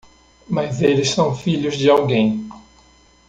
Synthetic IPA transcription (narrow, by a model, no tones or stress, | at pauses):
mɐzelɪssɐ̃w̃fiʎʊzd͡ʒɪawɡẽj̃